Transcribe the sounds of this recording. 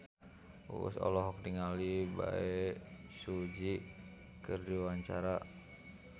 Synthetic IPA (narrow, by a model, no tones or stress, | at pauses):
sɔ̰lɔɦɔk̚diŋaliba̰ɛsud͡ʒi | kɨrdiwaɲt͡ʃaɾa